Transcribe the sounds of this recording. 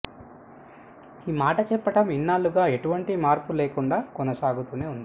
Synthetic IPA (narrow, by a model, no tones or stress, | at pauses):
iːmaːʈɐt͡ʃɛpːɐʈɐminːaːluɡaːe̞ʈuʋɐɳʈimaːɾpuleːkuɳɖaːkɔnɐsaːɡut̪uːne̞ːund̪i